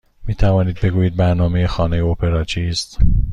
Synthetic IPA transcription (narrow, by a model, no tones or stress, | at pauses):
miːt̪ʰævɒːniːd̪̚be̞ɡuːjiːd̪̚bæɾnɒːme̞jexɒːne̞jeopʰe̞ɾɒːt͡ʃʰiːst̪